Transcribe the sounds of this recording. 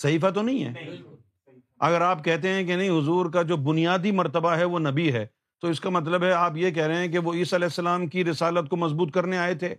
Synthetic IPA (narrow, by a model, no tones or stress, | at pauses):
sɐɦiːfat̪onɐɦĩɦɛ̰ː | ɐ̰ɡəɾaːp̚kɛɦt̪̬eɦɛ̃kenɐ̃ɦĩɦʊzuːɾkad͡ʒoːbʊnijaːd̪imɐɾt̪əbaɦɛʋonɐbiɦɛː | t̪oɪskamɐt̪ləbɦɛaːpjek̬ɛɦɾɐɦɦɛ̃k̬eʋoiːsaɪlɛːsːɐlaːmkiɾɪsaːlət̪̚komɐzbuːt̪kɐɾneaːet̪ʰeː